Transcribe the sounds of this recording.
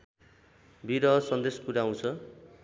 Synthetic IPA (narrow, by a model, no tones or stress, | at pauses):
bʱiɾʌsʌnd̪eskuɾaw̃t͡sʰʌ